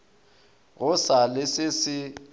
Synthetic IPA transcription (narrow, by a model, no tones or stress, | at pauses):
ɣʊsalɪsɪsɪ